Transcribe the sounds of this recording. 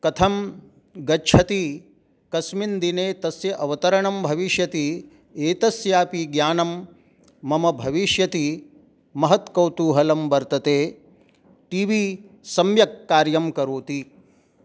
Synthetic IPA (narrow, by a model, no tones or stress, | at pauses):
kɐt̪ʰɐm | ɡɐt͡ʃʰɐt̪i | kɐsmind̪ineːt̪ɐsjɐʔɐʋɐt̪ɐɾɐɳɐmbʱɐʋiʃjɐt̪i | eːt̪ɐsjaːpiɡjaːnɐmː | ɐmɐbʱɐʋiʃjɐt̪i | mɐɦɐt̪kɐwt̪uːɦɐlɐmbɐɾt̪ɐt̪eː | ʈiːʋiː | sɐmjɐkːaːɾjɐmkɐɾuːt̪i